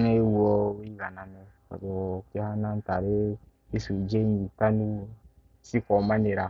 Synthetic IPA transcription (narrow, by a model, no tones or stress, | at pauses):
nɛwuɔweiɡananɛka̰dewɔkehanãn̩taɾe | esuid͡ʒenitanu | sikɔmãneɾa